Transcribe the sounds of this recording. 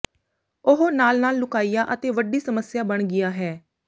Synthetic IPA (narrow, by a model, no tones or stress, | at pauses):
ʊɦoːnaːlnaːlːʊkaːiːjaːʔət̪eːʋəɖiːsəməsjaːbəɳ̃ɡɪjaːɦɛː